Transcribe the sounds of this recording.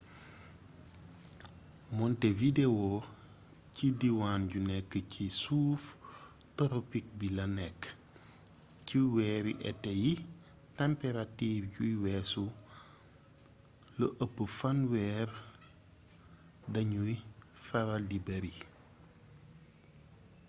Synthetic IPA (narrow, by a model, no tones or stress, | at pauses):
mɔntɛvidewo | cidiwaːnɟunɛkːəcʰisuːf | tɔɾopik̚bilɐnɛkː | ciwɛːɾḭʔɛ̰tɛji | tɛmpeɾatiːfɟujwɛːsu | ləʔəpːəfɐnwɛːr | dɐɲujfɐɾaldibɐɾi